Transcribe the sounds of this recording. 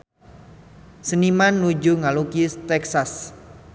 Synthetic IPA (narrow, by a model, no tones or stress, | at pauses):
sənimanːud͡ʒuŋalukist̪ɛksas